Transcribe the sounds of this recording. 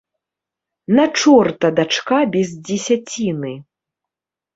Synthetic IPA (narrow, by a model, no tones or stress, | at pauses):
nat͡ʂɔrt̪ɐd̪at͡ʂkabʲɛzd͡zʲɛsʲat͡sʲinɨ